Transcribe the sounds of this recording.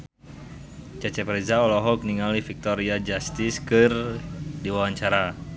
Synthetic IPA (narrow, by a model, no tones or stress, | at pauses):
t͡ʃat͡ʃɛpɾɛzaɔlɔɦɔkniŋalifik̚t̪ɔɾiad͡ʒast̪ɪskɨrdiwawaɲt͡ʃaɾa